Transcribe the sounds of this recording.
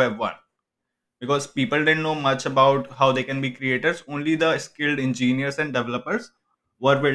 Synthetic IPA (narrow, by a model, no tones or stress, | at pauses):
ɛbʋʌ̰̃n | bɪkɔːzpiːpəlɖɪɖ̃nnoːmɐt͡ʃəbaʊʈhaʊd̪eːkɛ̃nbiːkɾieːʈəɾzõːnlid̪əskɪlɖɪ̃nd͡ʒĩːniəɾsɛ̃ɳɖɛʋɛləpəɾz | ʋəɾʋɪ